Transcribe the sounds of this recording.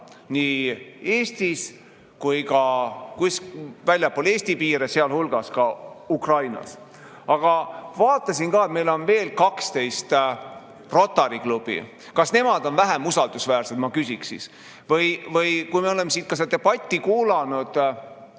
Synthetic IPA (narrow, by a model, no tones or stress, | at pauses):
niːe̞ːst̪is | kujkɑkuskvælʲjɑpːˑole̞ːsʲt̪ipiːɾeseɑlhulɡ̥ɑskɑukrɑjnɑ̰s | ɑɡ̥ɑvɑːt̪ːˑɑsinkɑːet̪̚me̞jlo̞nve̞ːlkɑkst̪e̞jst̪ | ro̞t̪ːˑɑɾiklub̥ḭ | kɑsne̞mɑd̪̥o̞nvæɦemusɑld̪usvæːrse̞t̪mɑkysiksḭs | vɤjvɤjkujmeo̞le̞mːesit̪̚kɑset̪eb̥ɑt̪ʲːikuːlɑnud̪̥